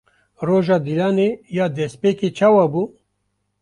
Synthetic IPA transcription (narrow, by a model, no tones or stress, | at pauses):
roːʒɑːd̪ilaːnejaːd̪ɛspeːket͡ʃʰaːwabuː